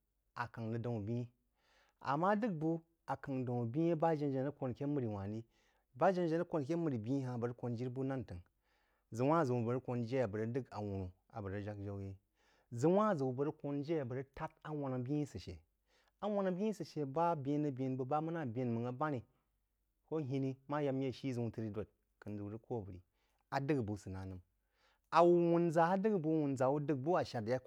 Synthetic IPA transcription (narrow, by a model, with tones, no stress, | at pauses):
a˨ka˨ŋnɨ˨də˨u˨bʲi˦i˦ | a̰˨mːa˦dɨ˦k̚bu˦ | a˨ka˨ŋ˨da˨u˨bi˦e˦ba˦d͡ʒe˦nd͡ʒe˨nə˦ko˨nkʲe˦mɨ˨ɾi˨wa˨ni˦ | ba˦d͡ʒe˦nd͡ʒe˨nə˦ko˨n˨k̬ʲe˦mɨ˨ɾi˨bʲi˦i˦ɦa˨bə˨ɾə˦ko˨nd͡ʒi˦ɾbu˦na˦ntɨ˨ŋ | zɨ˨wa˦˨zə˨wu˨bə˨ɾə˦ko˨nd͡ʒe˦ja˨bə˨ɾə˦dɨ˦ka̰˨wu˨nu˨ | a̰˨bə˨ɾə˦d͡ʒa˦kd͡ʒa˦wje˦ | zɨ˨wa˦˨zɨ˨wu˨bə˨ɾə˦ko˦nd͡ʒe˦a˨bə˨ɾə˦ta˦t̚a˦wa˨na˨bi˦i˦sɨ˨ʃḛ˨ | a˦wa˦na˨bʲi˦i˦sɨ˨ʃe˨ba˦bʲẽ˦nə˦bʲi˦nbə˨ba˦mɨ˦na˦˨bʲi˦nmɨ˨ŋa˦ba˦ɾi˨ | ko˦ɦi˦ni˦ma˦ja˦mje˦˨ʃi˦zɨ˨wu˦tɨ˦ɾi˦do˨t̚ | kɨ˨nzɨ˨wɾə˦ko˦˨bə˨ɾḭ˨ | a˨dɨ˦ɡbu˨sɨ˨na˨nɨ˨m | a˨wu˨wu˨nza˨a˦dɨ˦ɡbu˦wu˨nza˨wu˦dɨ˦ɡ̚bu˦a˨ʃa˨dja˦